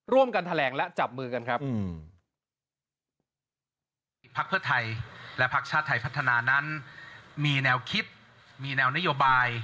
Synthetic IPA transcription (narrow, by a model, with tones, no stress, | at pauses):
ɾu˥˩əmka˧nt̪ʰa˧lɛː˩˦ŋlɛ˦˥t͡ɕa˨˩p̚mɯː˧ka˧nkʰɾa˦˥p̚ | pʰa˦˥k̚pʰɯ˥˩t̪ʰa˧jlɛ˦˥pʰa˦˥k̚t͡ɕʰaː˥˩t̪ʰːa˧˩jpʰa˦˥t̪ʰːa˧naː˧na˦˥n | miː˧nɛː˧wkʰi˦˥t̪̚ | miː˧nɛː˧wna˦˥joː˧baː˧j